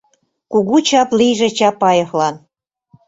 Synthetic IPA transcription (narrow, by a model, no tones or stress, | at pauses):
kuɣut͡ɕɑplijʒĕt͡ɕɑpːɑjɤxlɑn